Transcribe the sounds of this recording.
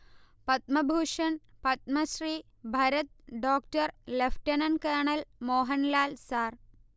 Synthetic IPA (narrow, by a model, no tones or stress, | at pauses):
pɐt̪̚mɐbʱuːʂɐnpɐt̪̚mɐsɾiː | bʱɐɾɐt̪̚ɖoːkʈɐɾlefʰʈɐnɐnkɐːɳɐlmoːɦɐnlaːlsaːr